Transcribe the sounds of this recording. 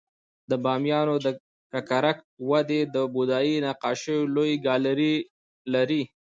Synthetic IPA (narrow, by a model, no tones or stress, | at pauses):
d̪əbɑmjɑnod̪ə | kakaɾak̚wad̪ed̪əbud̪ɑjinaqɑʃəjolojɡɑlaɾi | laɾi